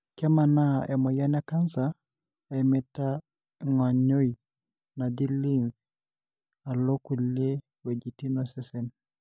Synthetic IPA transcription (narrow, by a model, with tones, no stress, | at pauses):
kɛ˦ma˨na˦ɛ˨mɔ˨ja˦nɛ˦ka˦nsa˨ | ɛ˨mɛ˦ta˦ | ŋa˨ɲo˦i˨ | na˨di˦li˦ɱv | a˨lo˦ku˨le˦ | we˨d͡ʒi˨ti˦nɔ˨sɛ˦sɛ˨n